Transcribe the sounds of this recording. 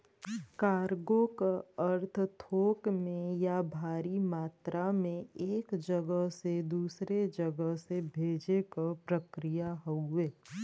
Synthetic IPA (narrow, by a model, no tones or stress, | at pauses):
kaːɾɡõkaəɾt̪ʰt̪ʰoːkmẽjabʱaːɾimaːt̪ɾamẽeːkd͡ʒəɡəɦsed̪uːsɾed͡ʒəɡəɦsebʱeːd͡ʒekapɾəkɾijaɦoueː